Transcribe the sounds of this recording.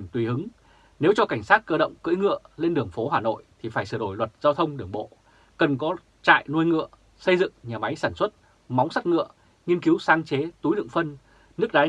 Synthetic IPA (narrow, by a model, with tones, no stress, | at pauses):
t̪wi˨˩hɨ˨˦ŋ | ne˨˦wt͡ɕɔ˧ka˧˩jŋ̟saː˦˥t̚kəː˧ɗə̰˧˨wŋ͡mkɨ̰˧˥jŋɨ̰˧˨əle˧nɗɨ˨˩əŋfo˨˦ɦaː˨˩no̰˧˨jt̪ʰi˨˩faː˧˩jsɨ˧˩ɗo˧˩jlwə˨˩t̚z̥aː˧wt̪ʰə˧wŋ͡mɗɨ˧˩əŋɓo̰˧˨ | kə˨˩nkɔ˨˦ | t͡ɕa̰ː˧˨jnu˧jŋɨ̰˧˨ə | sə˧jzɨ̰˧˨ŋɲaː˨˩ma˨˦jsaː˧˩nswə˦˥t̚ | ma˨˦wŋ͡msa˦˥t̚ŋɨ̰˧˨ə | ŋi˧ənki˨˦wsaː˨˧ŋt͡ɕe˨˦t̪u˨˦jɗɨ̰˧˨ŋfə˧n | nɨ˦˥ək̚ɗaː˨˦